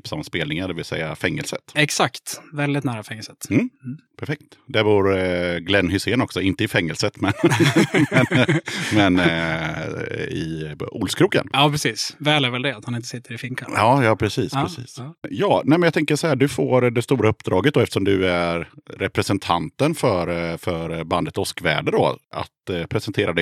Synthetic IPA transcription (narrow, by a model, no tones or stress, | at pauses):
psamaspeːlnɪŋaɖ̪ɛvɪlsɛ̰jːafɛŋːəlsət̪ɛksakt̪vɛld̪ɪt̪næːɾafɛŋːəlsət̪m̩ːpʰæɾfɛk̚t̪d̪ɛɾvuɾɡlɛnːhʏseːnɔksɔɪnt̪əɪfɛŋːəlsət̪mɛn | ɛmɛn | ɪ̰ʊlskʰɾuːkə̰njɑːpʰɾɛsiːsvɛːlæɾvɛld̪ɛat̪hanɪnt̪ə̥sɪt̪ːəɾɪfɪŋkʰa̰ɑːjɑːpʰɾɛsiːspɾɛsḭːsjɑːnɛɪmɛnjɑt̪ʰɛŋkəʂɔhæːɖɵfoːɾd̪ɛst̪uːɾaɵpːd̪ɾɑːɡət̪̚d̪ɔɛft̪ə̥ʂɔmd̪ɵæɾːɛpɾɛsɛnt̪ʰa̰nt̪ənfœɾfœɾband̪ət̪ɔskvæ̰ːɖəd̪ɔ̰a̰t̪pʰɾɛsɛnt̪ʰeːɾad̪ɛ